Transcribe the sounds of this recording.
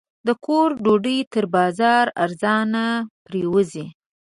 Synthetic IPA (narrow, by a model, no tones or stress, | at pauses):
d̪əkʰoɾɖoɖəjt̪əɾbɑzɑɾa̰ɾzɑnapɾewəzi